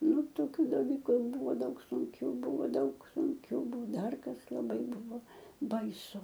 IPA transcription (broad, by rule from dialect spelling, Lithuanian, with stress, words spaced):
ˈnʊ toːˈkʲuː dɐˈlʲiːkʊ ˈbʊʋoː ˈdɐʊk sʊŋʲˈkʲʊ ˈbʊʋoː ˈdɐʊk sʊŋʲˈkʲʊ ˈbuɔ ˈdɐr ˈkɐs lˠɐˈbɐɪ ˈbʊʋoː bɐɪˈsʊ